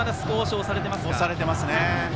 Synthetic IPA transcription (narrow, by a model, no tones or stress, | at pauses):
ad̪asɨ̥koːɕiosaɾe̞t̪̬e̞masoɕaɾe̞t̪e̞masɨne